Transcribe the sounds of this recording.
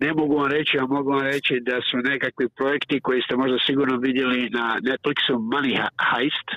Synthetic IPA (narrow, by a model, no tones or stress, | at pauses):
ne̞mo̞ɡuʋamɾe̞t͡ɕiamo̞ɡuʋamɾe̞t͡ɕid̪asune̞kakʋipɾo̞je̞kt̪iko̞jest̪e̞mo̞ʒd̪asiɡuːɾno̞ʋid̪je̞linane̞t̪fliksumanihajst̪